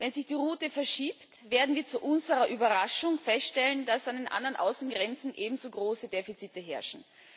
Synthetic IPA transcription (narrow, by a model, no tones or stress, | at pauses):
vɛnzɪçd̥iːʁuːtəfɛɐʃiːptveːɐdn̩viːɐt͡suʔʊnzəʁɐʔyːbɐʁaʃʊŋfɛstʃtɛlənd̥asandenʔã̰ndɐənʔa̰ʊsn̩ɡʁɛnt͡sn̩ʔeːbm̩zoːɡʁoːsədeːfit͡sitəɦɛɐʃn̩